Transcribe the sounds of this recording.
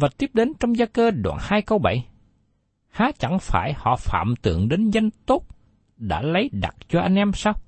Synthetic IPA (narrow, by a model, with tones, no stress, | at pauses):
vaː˨˩t̪i˦˥əp̚ɗe˨˦nt͡ɕɔ˧wŋ͡mzaː˧kəː˧ɗwa̰ː˧˨˩nhaː˧jkə˧wɓa˧˩j | haː˨˦t͡ɕa˧˩ŋfaː˧˩jhɔ̰˧˨fa̰ː˧˨mt̪ɨ̰˧˨əŋɗe˨˦nza˧jŋ̟t̪o˦˥t̚ | ɗa̰ː˧˥lə˨˦jɗa̰˨˩t̚t͡ɕɔ˧ʔa˧jŋ̟ʔɛ˧msaː˧w